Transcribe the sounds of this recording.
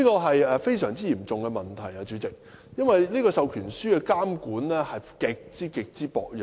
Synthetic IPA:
iː˥kɔː˧ɦɐ˨jɛː˨fe˥jsœː˨˩ŋt͡siː˥jiː˨˩mt͡sʊ˨ŋkɛ˧mɐ˨nt̪ʰɐ˨˩jɐ˧t͡ʃyː˨˥t͡sɪ˨k̚ | jɐ˥nwɐ˨jliː˥kɔː˧sɐ˨wkʰyː˨˩nsyː˥kɛ˧kaː˥mkuː˨˥nlɛː˥hɐ˨jkɪ˨˧k̚t͡siː˥kɪ˨˧k̚t͡siː˥pɔ̰ː˨˧k̚jœ˨

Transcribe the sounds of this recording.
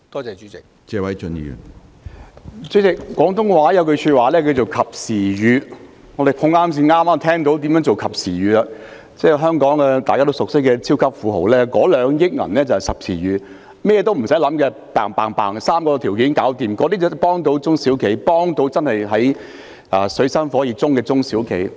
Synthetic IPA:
t̪ɔː˥t͡sɛː˨˧t͡ʃyː˨˥t͡sɪ˨k̚t͡sɛː˧wɐ˨˥jt͡ʃɵ˧nḭ˨˩jy̰˨˩n | t͡sɵ˨˧˥t͡sɪ˨kːɔː˨˥ŋt̪ʰʊ˥ŋ˧waː˨˥jɐ˨˧wkɵ˧ɥsy˧t̚waː˨lɛː˥ki˧t͡so˨wkʰɐ˨p̚siː˨˩jyː˨˧ | ŋɔ˨˧d̪e˨jpʰʊ˧ŋaː˥ms̬iː˧nŋaː˥maː˥mt̪ʰɛː˥ŋt̪o˧˥wt̪iː˨˥mjœː˨˥ŋt͡so˨wkʰɐ˨˩p̚siː˨˩jyː˨la˧ | t͡sɛː˥˩ɦœː˥ŋkɔː˨˥ŋɛ˧t̪aː˨jkaː˥t̪o˥wsʊ˨k̚sɪ˥kːɛː˧t͡sʰiː˥wkʰɐ˥p̚fuː˨˧ɦo̰˨˩wlɛː˥kɔː˨˥lœː˨˧ŋjɪ˥k̚ŋɐ̰˨˩nlɛː˥t͡sɐ˨hɐ˨jsɐ˨p̚sʰiː˨˩jyː˨˧ | mɛː˥jɛː˧t̪o˥wm̩˨˩sɐ˨˥jlɐ˨˥mkɛː˧ | paː˨˩ŋpaː˨ŋpa̰ː˨˩ŋsaː˥mkɔː˧t̪ʰiː˨˩wkiː˨˥nkaː˨˥wt̪iː˨˩mkɔː˨˧t̪i˥t͡sːpɔː˥ŋt̪o˨˥wt͡sʊ˥ŋsiː˨˥wkʰe˨˥jpɔː˥ŋt̪o˧˥wt͡sɐ˥nhɐ˨jɦɐ˨˥j | ʔaː˨˩sɵ˨˧ɥsɐ˥nfɔː˨˥jiː˨˧t͡sʊ˥ŋkɛː˧t͡sʊ˥ŋsiː˨˥wkʰḛ˨˥j

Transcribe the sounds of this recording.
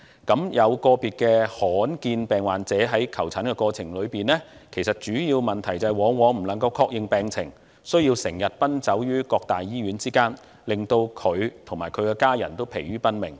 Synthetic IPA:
kɐ˨˥mjɐ˨˧wkɔː˧piː˨t̚kɛː˧hɔː˨˥nkiː˧npɛː˨ŋwaː˨˩nt͡sɛː˨˥ɦɐ˨˥jkʰɐ˨˩wt͡sʰaː˨˥nkɛ˧kɔː˧t͡sʰɪ˨˩ŋlɵ˨˧ɥpiː˨nlɛː˥kʰe˨˩jsɐ˨t̚t͡ʃyː˨˥jiː˧wmɐ˨nt̪ʰɐ˨˩jt͡sɐ˨ɛ˨jwɔː˨˧˥ŋwɔː˨˧m̩˨˩lɐ˨˩ŋkɐ˧wkʰɔː˧k̚jɪ˨ŋpɛː˨˧ŋt͡sʰɪ˨˩ŋ | sɵ˥ɥjiː˧wsɪ˨˩ŋjɐ˨t̚pɐ˥nt͡sɐ˨˥wjyː˥kɔː˧k̚t̪aː˨jːiː˥ɥyː˨˥nt͡siː˥kaː˥n | lɪ˨˩ŋt̪o˧wkʰɵ˨˧ɥt̪ʰʊ˨˩ŋmaː˨˩jkʰɵ˨˧ɥkɛː˧kaː˥jɐ̰˨˩nt̪o˥wpʰḛ˨˩jɥyː˥pɐ˥nmɪ̰˨˩ŋ

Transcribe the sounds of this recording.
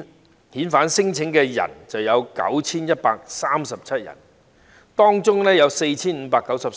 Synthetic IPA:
hiː˨˥nfaː˨˥nsɪ˥ŋt͡sʰɪ˨˥ŋkɛː˧jɐ̰˨˩nt͡sɐ˨wjɐ˨˧wkɐ̰˨˥wt͡sʰiː˥njɐ˥t̚paː˧k̚saː˥msɐ˨p̚t͡sʰɐ˥t̚jɐ̰˨˩n | t̪ɔː˥ŋt͡sʊ˥ŋnɛː˥jɐ˨˧wse˧jt͡sʰiː˥nm̩ː˨˧˥paː˧kːɐ˨˥wsɐ˨p

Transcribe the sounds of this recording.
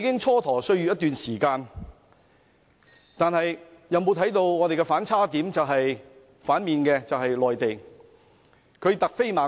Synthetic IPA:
i˧˥kɪ˥ŋt͡ʃʰɔː˥t̪ʰɔː˨˩sɵ˥˧ɥyː˧˥jɐ˥t̪ːyː˨nsiː˨˩kaː˧n | t̪aː˨nhɐ˨jjɐ˨˧wmo˨˧wt̪ʰjt̪o˧wŋɔː˨˧t̪e˨jkɛ˧faː˨˥nt͡sʰaː˥t̪iː˨˥mt͡sɐ˨wɦɐ˨j | faː˨˥nmiː˨nkɛː˧t͡sɐ˨whɐ˨jlɔː˨jt̪e˨j | kʰɵ˨˧t̪ɐ˨k̚fe˥jmaː˨˥

